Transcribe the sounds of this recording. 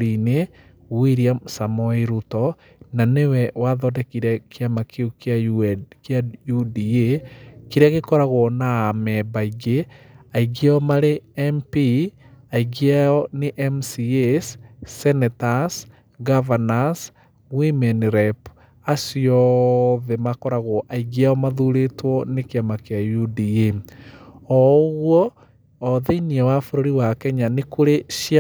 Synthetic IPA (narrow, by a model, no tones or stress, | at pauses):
ɾine | wiɾiamsamɔiɾutɔ | nanewɛwaðɔdekiɾɛkʰiamakeukjakjajudiekiɾeaɣekɔɾaɣonaːmɛbaiɡeaiɡeɔmaɾeempi | aiɡiaɔneʔɛmsiessɛnɛtas | ɡavanas | wimeniɾɛp | asiɔðemakɔɾaɣoʔaiɣjaɔmaðuɾetwɔnekjamakeajudie | ɔɣwɔː | ðeiniawafoɾoɾiwakɛɲanekuɾeʃia